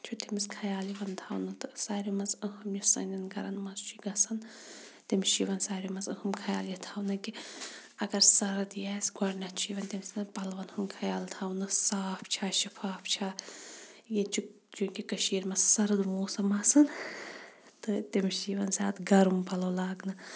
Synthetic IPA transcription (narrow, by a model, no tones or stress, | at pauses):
t͡ʃʰut̪imiskʰɐjaːliʋɐnt̪ʰawnɨt̪ɨsaːɾimɐzɨhɐmjusɐ̰nʲɐnɡɐɾɐnmɐzt͡ʃʰuɡɐsɐn | t̪imʃiʋɐnsaːɾimɐzɨhɨmkʰɐja̰ːljit̪ʰaːwnɨki | ɐɡɐɾsɐɾɨd̪jaːsɡɐɽnɐt̪t͡ʃʰiːʋɐnt̪imisnɨpɐlʋɐnhumkʰɐjaːlt̪ʰawnɨsaːpʰt͡ʃʰaːʃifʰaːpʰt͡ʃʰaː | jet͡ʃʰi | d͡ʒukikɐʃiːɾmɐssɐɾɨd̪moːsɐmɐsɐn | t̪ɨt̪imʃiʋɐnsʲa̰ːt̪ɡɐɾumpɐlɐwlaːɡnɨ